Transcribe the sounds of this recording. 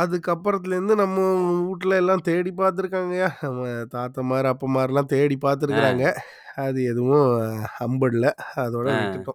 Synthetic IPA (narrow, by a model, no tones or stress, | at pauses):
ɐðɯkɐpːɐɾɐt̪ːɪlɐɾɯnd̪ɯnɐmːɐuːʈːlɐɛlːãːt̪eːɽipaːɾt̪ɯɾɯkːaːŋɡɐjaːnɐmːɐt̪aːt̪ːɐmaːɾiɐpːɐmaːɾilãːt̪eːɽipaːɾt̪ɯɾɯkːɪɾaːŋɡɐ | ɐðɯɛðɯʋʊ̃ɐmbɐɽlɐɐðoːɽɐʋɪʈːɯʈːʊ̃